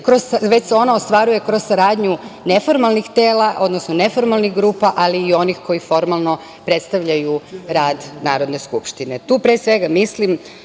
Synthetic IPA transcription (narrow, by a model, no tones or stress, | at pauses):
kɾozaʋe̞t͡ɕseo̞naost̪ʋaɾuje̞kɾo̞zsaɾaːd̪ɲune̞fo̞ɾmalnixt̪eːlaʔo̞d̪nosnone̞fo̞ɾmalˠnixɡɾuːpaʔaliːo̞nixko̞jifo̞ɾmalˠno̞ | pɾe̞t̪st̪aʋʎajuɾaːd̪naːɾo̞d̪ne̞skupʃt̪inet̪uːpɾesʋe̞ɡamislim